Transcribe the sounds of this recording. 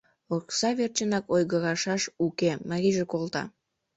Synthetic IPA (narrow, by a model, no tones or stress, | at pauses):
oksɑβert͡ɕənɑkojɣəɣɑʃɑʃukemɑɣʲiʒekolt̪ɑ̰